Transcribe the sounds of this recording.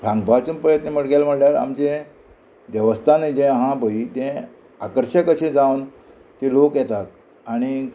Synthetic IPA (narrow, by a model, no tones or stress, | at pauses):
pʰãŋɡbʱat͡ɕunpɾəjət̪neməɽʈɡelm̤əɽljaɾa̰mt͡ɕẽ | ʋjəʋəst̪ʰaned͡ʑɛ̃ɦãbʱəit̪ɛ̃ | a̰kəɾɕəkəɕẽd͡zãʋn | t̪elokjɛt̪ak̪ | aɽ̃i